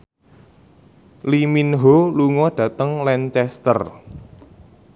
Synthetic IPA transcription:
liminɦoluŋɔɖ̥ä̤t̪əŋlɛnt͡ʃɛst̪ər

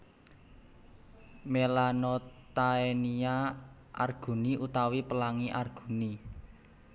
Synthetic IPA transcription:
melanot̪aenia | ʔa̰rɡ̥ṳniut̪awipəlaŋiʔarɡ̥ṳni

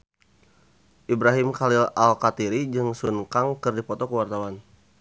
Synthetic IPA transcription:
ʔibɾaɦimkalilalkat̪iɾid͡ʒɨŋsunkaŋkɨrdipɔt̪ɔkəwart̪awan

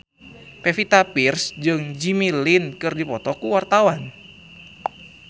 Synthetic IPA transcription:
pefit̪apirsd͡ʒɨŋd͡ʒimilinkɨrdipɔt̪ɔkuwart̪awan

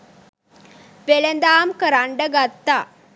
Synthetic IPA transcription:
pelɐnd̪aːmkɐɾaɳɖɐɡɐt̪ːa

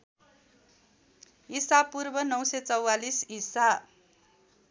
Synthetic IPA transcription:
ɦisapurbʌnʌwsʌt͡sʌwalisisa

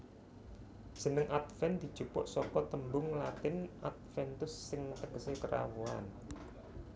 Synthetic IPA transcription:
ʒ̥ə̤nəŋʔat̪̚fɛnd̪̥i̤̥ʒ̥upʊ̰ʔsɔkɔt̪əmbʊŋlat̪ɪnʔat̪̚fɛnt̪ʊsːɪŋt̪əkəsekəɾa̰wua̰n

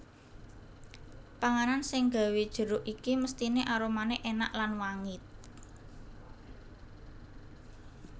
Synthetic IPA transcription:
paŋaɾansɪŋɡa̤wed̥ʒ̥ə̤ɾʊʔikiməst̪ineʔaɾomaneʔena̰ʔlanwaŋɪt̪̚

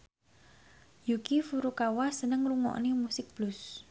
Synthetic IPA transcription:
jukifuɾukawasənəŋruŋɔ̰ʔnemusɪk̚b̥lus

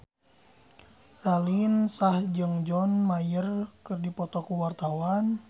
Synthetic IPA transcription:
ralinsahd͡ʒɨŋd͡ʒɔnmajərkɨrdipɔt̪ɔkuwart̪awan

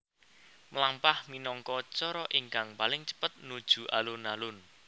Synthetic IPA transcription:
mlampahminɔŋkɔt͡ʃɔɾɔʔiŋkaŋpalɪŋt͡ʃə̥pət̪̚nud̥ʒ̥ṳʔalunalʊn

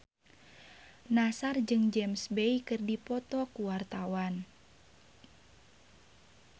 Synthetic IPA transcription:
nasard͡ʒɨŋd͡ʒɛmsbejkɨrdipɔt̪ɔkuwart̪awan

